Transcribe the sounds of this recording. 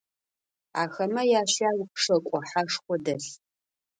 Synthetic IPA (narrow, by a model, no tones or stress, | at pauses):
a̰ːxɐmɐjaːɕaːwpʂɐkʷʼɔħaʂχʷɔdɐɬ